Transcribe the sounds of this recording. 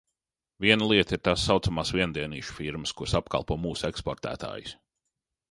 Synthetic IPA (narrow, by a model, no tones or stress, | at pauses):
viɛnəlˠiɛt̪iɾt̪asːawt̪samaːsviɛnd̪iɛnḭːʃu̥fiɾməskuɾsapka̰lˠpuɔmuːsekspɔɾt̪æ̰ːt̪a̰ːjus